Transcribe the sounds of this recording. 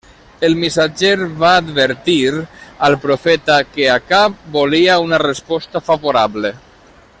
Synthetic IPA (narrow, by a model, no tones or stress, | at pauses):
elmisad͡ʒeɾβaːd̪βeɾt̪iɾəlˠpɾofɛt̪akeakap̚boliaunarespɔst̪afaβoɾaβle